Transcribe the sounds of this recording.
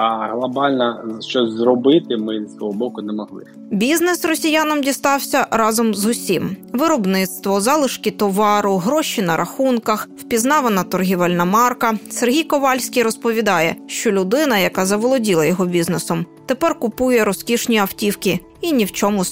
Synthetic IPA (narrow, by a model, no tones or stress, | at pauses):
ɐɦlˠɐbɑlʲnɐʃt͡ʃɔsʲzrɔbɪt̪ɪmɪɔɦɔbɔkʊnɛmɔɦlˠɪ̰ | bʲiznesrɔsʲijanɔmdʲist̪ɑwsʲɐɾɑzɔmzʊsʲimʋɪɾɔbnɪt̪st̪ʋɔzɑlˠɪʃkʲit̪ɔʋɑɾʊɦɾɔʃinɐɾʔɐxunkɐxwpʲiznɑʋenɐt̪ɔrɦʲiʋɛlʲnɐmɑrkɐsɛrɦʲijkɔʋɑlʲsʲkʲijɾɔspɔʋʲid̪ɑjɛʃt͡ʃɔlʲʊd̪ɪnɐjɐkɑzɐʋɔlˠɔdʲilˠɐjɔɦɔbʲiznesɔmt̪epɛrkʊpujɛɾɔskʲiʃnʲiɐwtʲiwkʲi | inʲiwt͡ʃɔmʊ